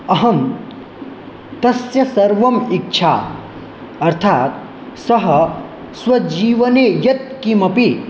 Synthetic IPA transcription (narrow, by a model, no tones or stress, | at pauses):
ɐɦɐ̃m | t̪ɐsjɐsɐɾʋɐmik̚t͡ʃʰa̰ː | ɐɾt̪ʰaːt̪̚ | sɐɦɐ | swɐd͡ʒiːʋɐneːjɐt̪̚kimɐpi